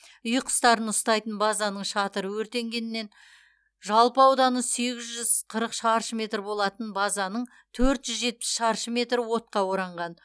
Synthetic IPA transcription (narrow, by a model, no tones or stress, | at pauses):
ʏjqʰə̥st̪ɑɾənʊst̪ɑjt̪ənbɑzɑnəɴʃɑt̪əɾəwɵɾt̪e̞ŋɡʲe̞nɪnːe̞n | ʒɑlˠpəɑwd̪ɑnəse̞ɡʲɪzʒʏzqʰəɾəqʃɑɾʃəmʲe̞t̪rbo̞lˠɑt̪ənbɑzɑnəɴ | t̪ʰɵɾt̪ʒ̥ʏzʒe̞t̪̚pɪ̥sʃɑɾʃəme̞t̪ɾɪwo̞t̪̚qɑwoɾɑɴʁɑn